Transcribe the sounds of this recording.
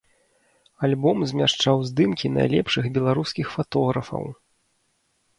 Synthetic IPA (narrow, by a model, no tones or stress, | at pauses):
alʲbɔmzʲmʲaʂt͡ʂawzd̪ɨmkʲina̰jlʲɛpʂɨɣbʲɛlˠaɾuskʲixfat̪ɔɣɾɐfɐ̰w